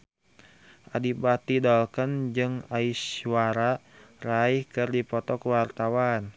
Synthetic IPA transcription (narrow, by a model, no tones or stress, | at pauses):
ʔadibat̪idɔlkənd͡ʒɨŋaiswaɾaraihkɨrdipɔt̪ɔkwart̪awan